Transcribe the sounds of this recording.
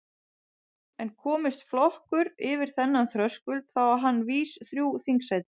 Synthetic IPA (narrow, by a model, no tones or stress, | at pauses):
ɛnkʰɔːmɪst̪flɔhkʏɾɪvɪɾ̥θɛnːanθɾœskʏlt̪θawaɦanːviːsθɾjuːwθiŋksajt̪ɪ̥